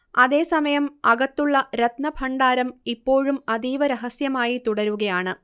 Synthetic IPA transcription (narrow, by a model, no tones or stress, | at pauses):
ɐðe̞ːsɐmɐjɐmɐɣɐt̪ːuɭːɐɾɐt̪nɐbʱʰɐɳɖaːɾɐmipːo̞ːɻumɐðiːʋɐɾeɦɐsjɐmaːjit̪uɽɐɾuɣɐjaːɳɨ